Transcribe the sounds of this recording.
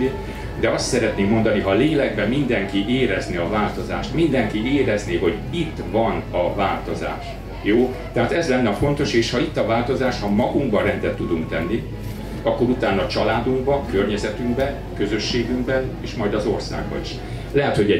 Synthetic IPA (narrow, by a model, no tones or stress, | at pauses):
i | d̪ɛɒst̪sɛɾɛt̪neːkmo̞nd̪ɒniɦɒleːlɛɡbɛmind̪ɛŋkiʔeːɾɛzniɒvaːlt̪o̞za̰ːʃt̪mind̪ɛŋkieːɾɛzniɦo̞ɟit̪ːvɒnɒvaːlt̪o̞za̰ːʃ | joː | t̪ɛɦaːt̪ɛzlɛnːɛɒfo̞nt̪o̞ʃeːʃhɒit̪ːɒvaːlt̪o̞zaːʃhɒmɒɡuŋɡbɒɾɛnt̪ɛt̪ːud̪uŋkt̪ɛnːi | ɒkːo̞ɾut̪aːnːɒt͡ʃɒlaːd̪uŋɡ̚bɒkørɲɛzɛt̪yŋɡbɛn | kø̞zø̞ʃːeːɡyŋɡbɛneːʃmɒjd̪ɒzo̞rsa̰ːɡbɒ̰iʃ | lɛɦɛt̪ho̞ɟɛ